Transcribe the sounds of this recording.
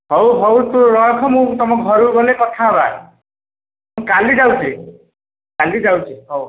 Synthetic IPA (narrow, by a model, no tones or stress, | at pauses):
ɦowɦowt̪uɾɔjkʰɔmũt̪ɔmɔkɡʱɔɾuɡɔlekɔt̪ʰaba | mũkalid͡ʒawt͡ʃʰi | kalid͡ʒawt͡ʃʰiɦow